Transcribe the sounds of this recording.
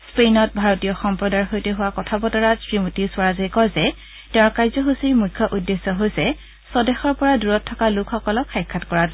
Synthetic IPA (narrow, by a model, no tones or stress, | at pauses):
spejnɔt̚bʱaɹɔtijɔxɔmpɹɔdaɹxojtɛɦʊwakɔtʰabɔtɔɹapɹimutiswaɹazajkɔjzɛ | tɛ̃ʊ̃ɹkajzɔɦusiɹmujkʰːɔʔudːesːɔɦojsɛ | sɔdɛxɔɹpɔɹaduɹɔtʰːɔkalʊkxɔkɔlɔkxajkʰːatkɔɹat